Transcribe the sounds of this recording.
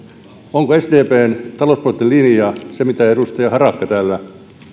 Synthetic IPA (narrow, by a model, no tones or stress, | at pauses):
oŋkoesd̪eːpeːnt̪ɑlospolt̪ːelinijɑsemit̪æedust̪ɑjɑhɑrɑkːɑt̪æːlːæ